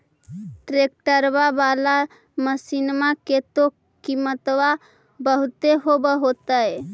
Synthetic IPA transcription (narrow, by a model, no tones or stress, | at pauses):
ʈɾek̚ʈəɾbabala | məsinmaket̪o | kimət̪wa | bəɦut̪eɦobəɦot̪əj